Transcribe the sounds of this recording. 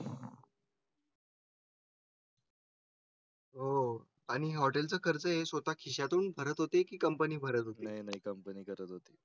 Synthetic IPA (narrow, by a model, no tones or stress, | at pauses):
ɦo | aɽ̃iɦɔʈelt͡səːkʰəɾt͡səɦesʋət̪akʰiɕjat̪uːnbʱəɾət̪ɦot̪ekiːkəmpəniːbʱəɾət̪ɦotneaɦjnaɦikəmpəniːkəɾət̪ɦot̪i